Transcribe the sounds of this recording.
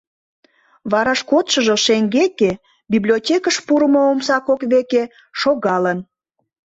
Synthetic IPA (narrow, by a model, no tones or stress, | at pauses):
βɑɾɑʃkot̪ʃəʒoʃeŋɡeke | biblʲiotʲekəʃpuɾəmoomsɑkokβeke | ʃoɣɑlən